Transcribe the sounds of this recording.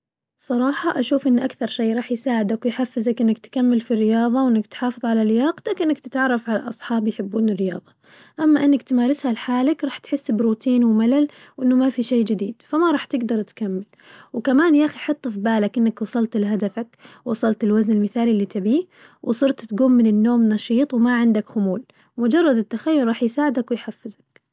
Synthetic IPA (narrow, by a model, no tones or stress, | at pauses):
sˤɑɾˤɑːħɑʔaʃuːfʔɪnːʔakθɑɾˤʃejːɾˤɑːħjsaːʕɪd̪akwjħafːɪzakʔɪnːakt̪kamːɪlfirːɪjɑːðˤɑwʔɪnːakt̪ħɑːfɨðˤʕalalɪjɑːqt̪akʔɪnːakt̪ɪt̪ʕɑrˤːɑfʕala̰ʔɑsˤħɑːbjħɪbːuːnɪrːɪjɑ̰ːðˤɑ | ʔamːaʔɪnːakt̪maːɾˤɪshalħaːlakɾˤɑːħt̪ħɪsːbɾuːt̪ʰiːnwmalal | wʔɪnːʊmafiʃeːd͡ʒɪd̪iːd̪̥famaɾˤɑːħt̪ɪɡd̪ɑɾˤt̪kamːɪl | wkamaːnjaʔaxiħɑt̪ˤːfibaːlakʔɪnːakwɑsˤɑlt̪ɪlɦad̪afak | wɑsˤɑlt̪ɪlwaznɪlmɪθaːliɪlːit̪ʰabiː | wʔsˤɨɾt̪t̪ɡuːmːɪnɪnːoːmnɑʃiːt̪ˤwmaʕɪnd̪akxʊmuːl | mʊd͡ʒɑrˤːɑd̪ɪt̪ːaxajːʊɾˤɾˤɑːħjsaːʕɪd̪akwɪjħafːɪzak